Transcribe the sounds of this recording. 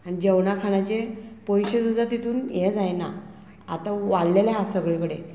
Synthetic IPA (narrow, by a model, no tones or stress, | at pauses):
anid͡ʑəwɳakʰaɽat͡ɕepɔjɕesud̪ʱat̪it̪ʰuːnjɛd͡zajna̰ | at̪aʋaɽlelaɦasəɡɭekəɽe